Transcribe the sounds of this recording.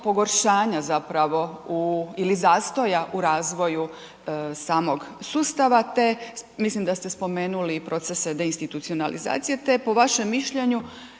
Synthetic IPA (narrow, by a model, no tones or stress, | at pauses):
po̞ɡo̞ɾʃaːɲazapɾaʋo̞uilizaːst̪o̞jaʔuɾaːzʋo̞ju | saːmo̞ɡsuːst̪aʋat̪e̞mislimd̪ast̪e̞spo̞me̞ːnulipɾo̞t̪sesed̪e̞inst̪it̪ut̪sio̞nalḭza̰ːt̪sije̞t̪e̞po̞ʋaʃe̞mːiʃʎe̞ɲu